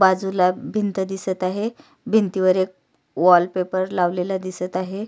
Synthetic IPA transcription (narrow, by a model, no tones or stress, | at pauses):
bad͡zulabʱint̪əd̪isət̪aɦe | bʱint̪iʋəɾek̚ | ʋɔlpepəɾlaʋlelad̪isət̪aɦe